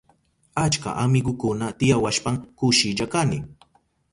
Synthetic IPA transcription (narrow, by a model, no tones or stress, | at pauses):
at͡ʃka̰ʔamɪɡʊkʊnat̪ɪjawaʃpaŋkʊʃɪʎakanɪ